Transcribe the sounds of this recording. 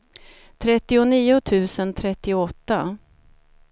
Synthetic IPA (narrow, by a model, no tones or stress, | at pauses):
t̪ʰɾɛt̪ːɪʊniːʊt̪ʰʉ̟ːsənt̪ʰɾɛt̪ːɪʊɔt̪ːa